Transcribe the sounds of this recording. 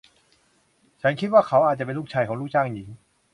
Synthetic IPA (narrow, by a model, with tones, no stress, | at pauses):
t͡ɕʰa˦˥nkʰi˦˥t̪̚waː˥˩kʰa˦wʔaː˨˩t̪̚t͡ɕa˨˩pe˧nluː˥˩k̚t͡ɕʰaː˧jkʰɔː˩˦ŋluː˥˩t͡ɕʰaː˥˩ŋji˩˦ŋ